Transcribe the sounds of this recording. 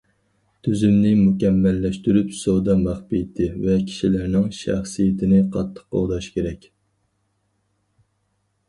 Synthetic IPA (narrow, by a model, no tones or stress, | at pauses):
t̪ʰyzymnɪmukʲɛmːɛlːɛʃt̪yɾypsod̪ɑmæχpijt̪ʰɪvɛkʲʰi̥ʃilɪɾnɪŋʃæ̰χsijet̪ʰɪnɪqʰɑt̪ʰːə̥qːo̰lˠd̪ɑʃkʲeɾɛkʲ